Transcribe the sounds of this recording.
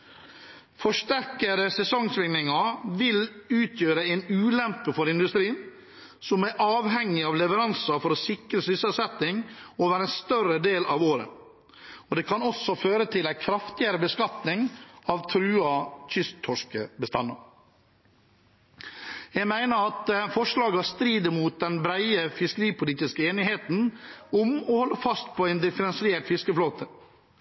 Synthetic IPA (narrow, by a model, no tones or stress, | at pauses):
fɔʂʈæɾkəɾəsɛsɔŋsʋɪŋnɪŋɑʋɪlʉːt̪ʰjøːɾəɛɪnʉːlɛmpəfɔɾɪnd̪ʉst̪ɾiːn | sɔmɛʔɑːʋɦɛŋːɪɑʋlɛʋəɾɑnsɑfɔɾɔsɪkɾəsʏsəlsɛt̪nɪŋoːʋæːɾɛnst̪œɾəd̪eːlɑʋoːɾə̰ | ɔd̪eːkʰɑnɔsːɔføːɾət̪ʰɪlæɪkʰɾɑft̪ɪəɾəbəskɑt̪nɪŋɑʋt̪ʰɾʉːɑc͡çʰʏst̪ʰːɔʂkəbəst̪ɑ̰nːɑ̰ | jæɡmæɪnəɾɑt̪fɔʂlɑːɡəhɑst̪ɾiːd̪əɾmuːt̪̚d̪ɛnbɾæɪəfɪskəɾiːpʊliːt̪ɪskəeːnɪɦeːt̪n̩ʊmɔhɔlːəfɑst̪̚pʰɔæɪnd̪ɪfəɾɛnsɪeːʈfɪskəfloːt̪ʰə